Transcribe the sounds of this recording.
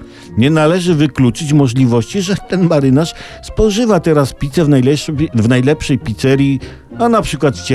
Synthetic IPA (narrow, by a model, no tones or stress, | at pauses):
ɲɛnalɛʐɘvɘklut͡ʂɘt͡ɕmɔʐlʲivɔɕt͡ɕiʐɛt̪ɛnmaɾɘnaʂ | spɔʐɘvat̪ɛɾaspʲit̪sɛvnajlɛvnajlɛpʂɛjpʲit̪sɛɾʲji | anapʂɘkwat̪t͡ɕɛ